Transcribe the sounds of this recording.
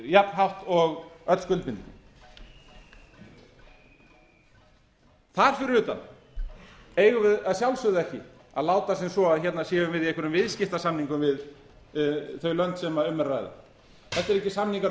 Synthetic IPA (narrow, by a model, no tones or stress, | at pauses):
japnɦawht̪ɔɣœt̪lskʏlpɪnt̪nɪ̰ | θaɾ̥fɪɾʏɾʏːt̪a̰n | eːjɣʏvɪðaðsjawlsʏðɛhcɪ̰ | aðlaːwt̪asɪnsɔaðçɛt̪nasɛːɣʏmvɪðiɛjkʰʏɾʏmvɪðscɪht̪asamniŋkʏmvɪð | θœɥlœnt̪sɛmaʏmːɛrajða̰ | θɛht̪ɛɾɛhcɪsamniŋka